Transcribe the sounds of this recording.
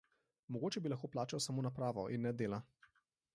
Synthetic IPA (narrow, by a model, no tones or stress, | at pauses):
mɔɡoːt͡ʃɛbilaxkoːplaːt͡ʃawsamoːnapɾaːʋɔʔinːɛd̪eːla